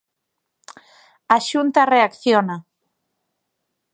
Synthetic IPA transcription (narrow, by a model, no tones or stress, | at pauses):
aʃunt̪areakθjona